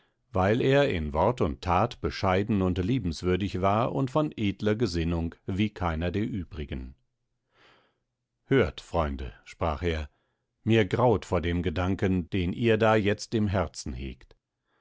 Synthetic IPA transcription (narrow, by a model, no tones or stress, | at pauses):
vaɪleːɐɪ̰nvɔɐtʊntʰːaːtb̥əʃaɪdn̩ʊntliːbm̩sv̥ʏɐdɪçv̥aːɐʔʊ̰ntfɔnʔeːdlɐɡəzɪnʊŋkviːkʰaɪnɐdeːɐʔyːbʁɪɡən | høːɐtfʁ̥ɔʏndə̰ʃpʁ̥a̰ːχeːɐ | miːɐɡʁaʊtfoːɐdeːmɡədaŋkənd̥eːnʔiːɐdaːjɛt͡stɪmɦɛɐt͡sn̩hḛːkt